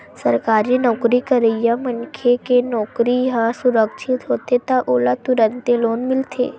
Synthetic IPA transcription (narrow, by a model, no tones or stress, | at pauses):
səɾkaɾinɔkɾikəɾəjamənkʰekenɔkɾiɦasuɾəkt͡ʃʰit̪ɦot̪et̪aʔolat̪uɾənt̪elonmɪlt̪ʰḛ